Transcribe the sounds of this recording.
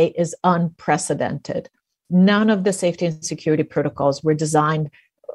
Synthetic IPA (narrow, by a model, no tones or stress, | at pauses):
ɪʔɪzə̃npʰɹ̥ɛsɨdɛ̰̃ntʰɪ̰d̥ | nʌ̃nʌvðɨseɪftiɨ̃nsɨkʰj̥ʊɹɨɾipʰɹ̥oʊɾəkʰɔlˠzwə˞dɨzãɪ̃nd